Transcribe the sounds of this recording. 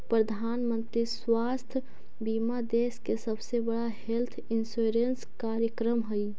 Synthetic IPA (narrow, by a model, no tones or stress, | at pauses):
pɾəd̪ʱaːnmənt̪ɾiswast̪ʰ | bimad̪eskesəbsebəɽaɦelt̪ʰinsuɾenskaɾjəkɾəmɦəj